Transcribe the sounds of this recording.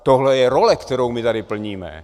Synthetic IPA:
t̪ɔɦlɛjɛɾɔlɛkt̪ɔɾoʊmit̪adipl̩ɲiːmɛ̰

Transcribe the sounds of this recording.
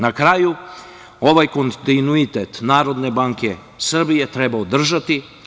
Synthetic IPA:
nakɾaju | o̞ʋajko̞nt̪inuit̪et̪naːɾo̞d̪ne̞baŋke̞ | sr̩bijet̪ɾebaod̪r̩ʒat̪i

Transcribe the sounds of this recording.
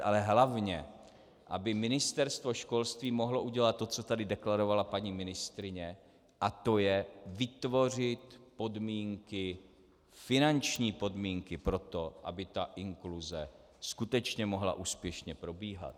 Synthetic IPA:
ʔalɛɦlavɲɛ | ʔabɪmɪnɪst̪ɛɾst̪vo̞ʃko̞lst̪viːmo̞ɦloʔuɟɛlat̪̚tːo̞t͡so̞t̪adɪdɛklaɾo̞valapaɲiːmɪnɪst̪ɾɪɲɛ | ʔat̪o̞jɛvɪt̪vo̞r̝ɪt̪po̞dmiːŋkɪ | fɪnant͡ʃɲiːpo̞dmiːŋkɪpɾo̞t̪o̞ʔa̰bɪt̪aʔɪŋkluzɛ | skut̪ɛt͡ʃɲɛmo̞ɦla̰ʔuːspjɛʃɲɛpɾo̞biːɦa̰t̪̚

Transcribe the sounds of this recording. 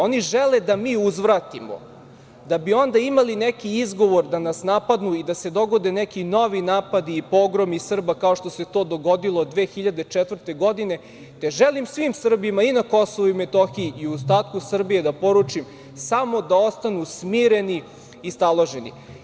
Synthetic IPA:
o̞niʒeled̪amiːuzʋɾaːt̪imo̰ | d̪abio̞nd̪aimalinekiizɡo̞ʋo̞ɾd̪anasnapad̪nuid̪ase̞d̪o̞ɡo̞d̪e̞nekino̞ʋinaːpad̪iːpo̞ɡɾomisr̩bakaoʂt̪o̞se̞t̪o̞ːd̪o̞ɡo̞d̪ilˠod̪ʋeːxiʎad̪et͡ʃɛt̪vr̩t̪e̞ɡo̞d̪ine̞ | t̪e̞ʒelimsʋimsr̩bimainakosoʋuimet̪oxiiiust̪aːt̪kusr̩bije̞d̪apo̞ɾut͡ʂim | samo̞d̪ao̞st̪anusmiːɾe̞ni | ist̪alˠo̞ʒenḭ

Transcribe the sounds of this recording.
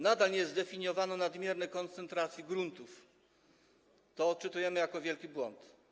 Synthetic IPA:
nad̪alɲɛzd̪ɛfʲiɲjɔvanɔnad̪mʲjɛɾnɛkɔnt̪sɛnt̪ɾat̪sʲjiɡɾunt̪uf | t̪ɔt͡ʂɘt̪ujɛmɘjakɔvʲjɛlkʲibwɔnt̪

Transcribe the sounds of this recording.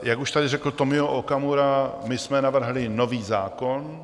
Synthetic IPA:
jakuʃt̪adɪrɛkl̩t̪o̞mɪoʔokamuɾamɪsmɛnavr̩ɦlɪno̞viːzaːkon

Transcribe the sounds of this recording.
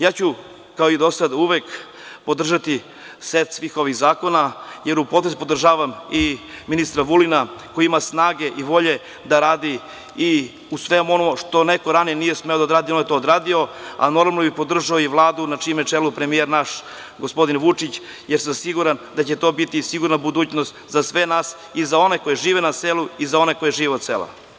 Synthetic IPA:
jaːt͡ɕu | kaoid̪o̞sad̪uʋek | po̞d̪r̩ʒat̪i | sʋet̪sʋiːxo̞ʋiɣzaːko̞najeɾupo̞t̪ɾszupo̞d̪r̩ʒaːʋamiminist̪ɾaʋulinakojiimasnaːɡe̞ʔiʋo̞ʎe̞ | d̪aɾaːd̪i | i | usʋe̞muo̞nomʃt̪o̞neko̞ɾaninije̞smeo̞d̪aod̪ɾaːd̪ionjet̪oːd̪ɾaːd̪io̞a̰no̞ɾmamlnobipo̞d̪r̩ʒaoiʋlˠaːd̪unat͡ʂiumjet͡ʂelupɾe̞mijeɾnaʃ | ɡospo̞d̪inʋut͡ʂit͡ɕ | jeɾsamsiɡuɾand̪at͡ɕet̪o̞bit̪isiɡuɾnabud̪uːt͡ɕnost̪zasʋe̞naːs | izao̞neko̞jeʒiːʋenaseluizao̞neko̞jeʒiːʋeot̪sḛlˠa̰

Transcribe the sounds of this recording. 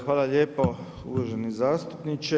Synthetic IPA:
xʋaːlaʎeːpo | ṵʋaʒenizaːst̪upnit͡ʃe

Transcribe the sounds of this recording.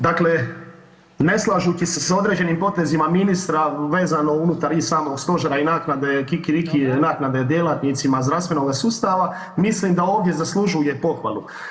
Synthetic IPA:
d̪akle̞ | ne̞slˠaʒut͡ʃiseso̞d̪ɾe̞d͡ʑe̞nimpo̞t̪e̞zimaminist̪ɾaʋe̞ːzano̞unut̪aɾisaːmo̞ɡst̪o̞ʒaɾainaːknad̪ekikiɾikinaːknad̪e̞d̪je̞lat̪nit̪simazd̪ɾafst̪ʋe̞no̞ɡasuːst̪aʋa | mislimd̪ao̞ːʋd̪je̞zaslˠuʒujepo̞xʋa̰lˠu

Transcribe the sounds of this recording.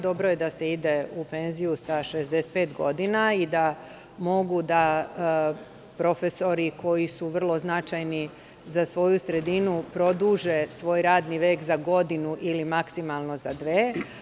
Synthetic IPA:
d̪o̞bɾojed̪aseid̪e̞upe̞nzijusaʃezd̪ese̥t̪̚pe̞ːt̪ɡo̞̰d̪inaid̪a | mo̞ɡud̪a | pɾo̞feso̞ɾikʰo̞jisuʋr̩lˠo̞znat͡ʃajni | zasʋo̞jusɾe̞d̪inupɾo̞d̪uːʒe̞sʋo̞ːjɾaːd̪niʋe̞ːkzaɡo̞d̪inuʔilimaksimalˠno̞zad̪ʋeː

